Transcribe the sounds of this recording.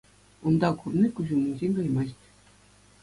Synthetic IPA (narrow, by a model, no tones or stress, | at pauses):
und̪ɑkurnʲikuʑumʲɘ̆nʲʑʲenʲkɑjmɑɕtʲ